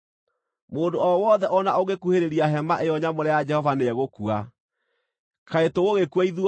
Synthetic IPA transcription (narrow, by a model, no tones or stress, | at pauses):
moːndoɔwɔðɛʔɔnaoɣekuheɾeɾiaɦɛmaʔejɔɲamoɾɛjad͡ʒɛhɔvaneɛɣokua | kʰaetoɣoɣekwaiðu